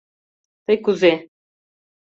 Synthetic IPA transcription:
t̪ɤjkuze

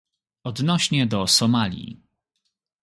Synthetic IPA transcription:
ɔd̪nɔɕɲɛd̪ɔsɔmalʲḭ

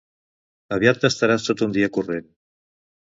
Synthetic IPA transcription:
aβjat̪ːəst̪aɾast̪ot̪und̪iakuren

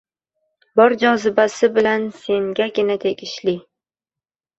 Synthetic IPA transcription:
bɒɾd͡ʒɒzɪbasɪbɪlanse̞ŋɡʲaɡʲɪnat̪ʰe̞ɡʲɪʃlɪ

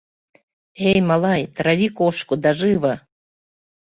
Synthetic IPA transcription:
ejmɑlɑjt̪ɾɑβʲikoʃkud̪ɑʒɨβɤ̆

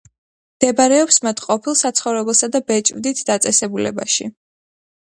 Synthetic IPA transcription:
md̪̥ɛbaɾɛɔpsmat̪ʰqʼɔpʰilˠsat̪sʰχɔvɾɛbɛlˠsad̪abɛt͡ʃʼvd̪it̪ʰd̪at̪sʼɛsɛbulɛ̰ba̰ʃḭ

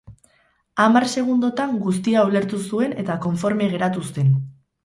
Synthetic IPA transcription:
amarse̞ɣ̞und̪o̞t̪aŋɡus̬t̪iaole̞ɾt̪usue̞ne̞t̪ako̞ɱfo̞ɾme̞ɣe̞ɾat̪ust̪e̞n

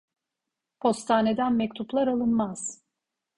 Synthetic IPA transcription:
pʰo̞st̪ʰaːne̞d̪ænmɛc̚t̪ʰuplˠaɾalˠɯnmaz̥

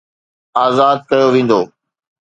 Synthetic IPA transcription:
aːzaːd̪̚kɐjoʋĩːn̆d̪oː

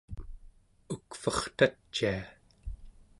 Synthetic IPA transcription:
ukfʌχt̪at͡ʃːia

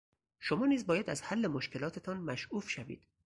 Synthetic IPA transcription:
ʃomɒːniːzbɒːjæd̪æzhælːemoʃcʰe̞lɒːt̪ʰe̞t̪ʰɒːnmæʃʔuːfʃævḭːd̪̥

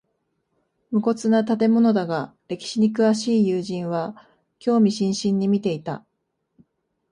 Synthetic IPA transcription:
mɯ̟ko̞t͡sɨnat̪at̪̬e̞mo̞no̞d̪aɡaɾe̞kʲi̥ɕiɲ̟ikɯ̟βaɕiːjɯːʑĩɰ̃βa | kʲo̞ːmʲiɕĩɰ̃ɕĩɲ̟ːimʲit̪e̞it̪a̰

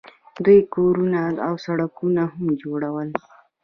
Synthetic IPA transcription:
d̪ujkoɾunaawsaɽakunahamd͡ʒoɽawəl

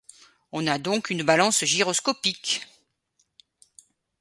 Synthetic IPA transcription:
ɔ̃nad̪ɔ̃kynbalɑ̃sʒiʁɔskɔpik

